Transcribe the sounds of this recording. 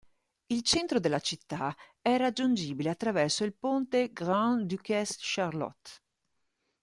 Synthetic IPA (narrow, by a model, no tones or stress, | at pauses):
ilt͡ʃɛnt̪ɾod̪elat͡ʃit̪ːa | ɛɾad͡ʒːund͡ʒiːbileat̪ːɾavɛrsoilpont̪eɡɾãnd̪ykɛsʃaɾlɔ̰t̪